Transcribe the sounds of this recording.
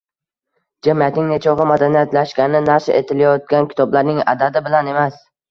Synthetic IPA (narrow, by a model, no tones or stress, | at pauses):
d͡ʒamijat̪nɪŋnet͡ʃʰɒʁɨmad̪anijat̪laʃkʲanɪnaɾʃaʔḛt̪ʰɪlajɒt̪̚ɡʲankʲʰɪ̥t̪ʰɒblaɾnɪŋa̰d̪ad̪ɪbɪlane̞mas